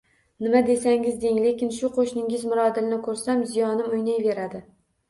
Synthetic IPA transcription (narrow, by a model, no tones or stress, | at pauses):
nɪmad̪e̞saŋɪzd̪eŋlekʲɪnʃʊqʰoʃnɪŋʲɪzmʊɾɒd̪ɪlnɪkʰɵɾsamzijɒnɪmʊjnajve̞ɾad̪ɪ